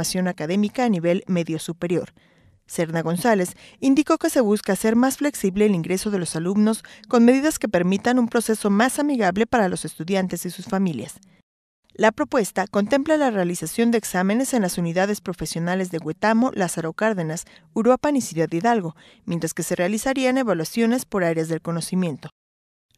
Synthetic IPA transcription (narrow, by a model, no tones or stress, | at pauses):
asjo̞nakaðe̞mikaːniβe̞lme̞ðjo̞supe̞ɾjo̞ɾ | se̞ɾnaɣ̞o̞nsale̞sind̪iko̞ke̞se̞β̞uskase̞ɾmasfle̞ksiβle̞ːliŋɡɾe̞so̞ðe̞lo̞salumno̞sko̞nme̞ðiðaske̞pe̞ɾmit̪anumpɾo̞se̞so̞masamiɣaβle̞paɾalo̞se̞st̪uðjant̪e̞sisusfamilja̰s | lapɾo̞pwe̞st̪ako̞nt̪e̞mplalare̞alisasjo̞nd̪eeːksamẽ̞ne̞se̞nlasuniðaðe̞spɾo̞fe̞sjo̞nale̞zðe̞ɣwe̞t̪amo̞lasaɾokaɾðe̞nasuɾopanisuðad̪iðalɣo̞ | mje̞nt̪ɾaske̞se̞re̞alisaɾiane̞βalwasjo̞ne̞spo̞ɾaɾjazðe̞lko̞no̞simje̞nt̪o̞